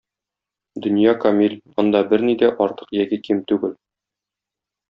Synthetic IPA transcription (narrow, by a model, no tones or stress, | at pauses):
d̪ɵ̆njɑkɐmilʲɒnd̪ɑbɘɾnid̪æʔɒɾt̪ɤ̥qjækikimt̪ʉɡɘl